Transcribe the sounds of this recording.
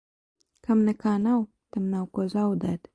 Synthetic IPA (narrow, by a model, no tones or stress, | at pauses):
kamnakɑnaw | t̪amnawkozawd̪ad̪